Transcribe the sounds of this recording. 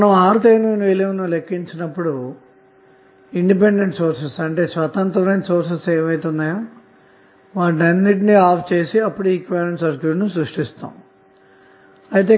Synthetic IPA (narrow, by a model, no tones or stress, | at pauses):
ɐnɐmaːɾut̪eːninʋeleʋnulekːiɲt͡ʃinɐpːuɽu | iɳɖip̬eɳɖeɳʈsoːɾsesɐɳʈe̞ːsʋɐt̪ɐnt̪ɾɐɾɐnso̞ːɾs̬eseːmɐjt̪und̪ɐːjoː | ʋaːʈnɐnːiʈ̬iniaːpʰt͡ʃe̞ːsiɐpːuɽuiːkʋɛːɾeɳsɐɾkjuːʈnusɾuʂʈist̪a̰ːm | ɐjit̪̬e̞ː